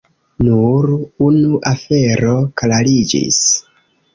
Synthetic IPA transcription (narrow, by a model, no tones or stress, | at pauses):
nuɾunuʔafe̞ɾo̞klalid͡ʒḭs